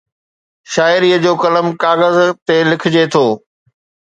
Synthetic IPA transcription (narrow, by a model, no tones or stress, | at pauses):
ʃaːɪɾiːəd͡ʑoːkɐləmkaːɣəzt̪elɪkʰɪd͡ʑet̪ʰoː